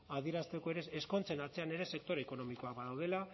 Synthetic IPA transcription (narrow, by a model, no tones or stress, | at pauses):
að̞ieɾast̪e̞ko̞e̞ɾe̞esko̞nt͡se̞naɾt͡se̞ane̞ɾe̞se̞k̚t̪o̞ɾeeko̞no̞miko̞abaðawð̞e̞la